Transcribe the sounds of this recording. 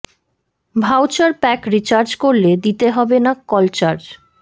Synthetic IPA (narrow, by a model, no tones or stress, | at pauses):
bʱawt͡ɕaɾpɛkɾit͡ɕaɾd͡ʑkoɾled̪it̪eɦɔbenakɔlt͡ɕaɾd͡ʑ